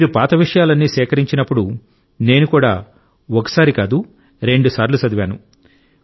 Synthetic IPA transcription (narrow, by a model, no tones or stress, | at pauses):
miːɾupaːt̪ɐʋiʂɐjaːlɐnːiːsɛːkɐɾiɲt͡ʃinɐpːuɽu | ne̞ːnukuːɽaː | ɔkɐ̥saːɾikaːd̪u | ɾe̞ɳɖusaːɾlusɐd̪ʋjaːnṵ